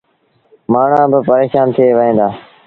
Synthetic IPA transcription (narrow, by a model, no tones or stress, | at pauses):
maːɳ̤ãːbɪpəɾeːʃaːnt̪ʰɪeːʋəɦẽːnd̪aː